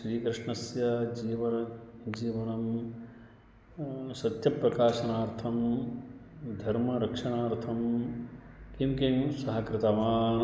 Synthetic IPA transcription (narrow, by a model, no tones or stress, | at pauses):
sɾiːkɾɪʂɳɐsjɐd͡ʒiːʋɐɾɐd͡ʒiːʋɐnɐm | sɐt̪jɐpɾɐkaːʃɐnaːɾt̪ʰɐm | d̪ʱɐɾmɐɾɐkʂɐnaːɾt̪ʰɐm | kimkemsɐɦɐkɾɪt̪ɐʋaːn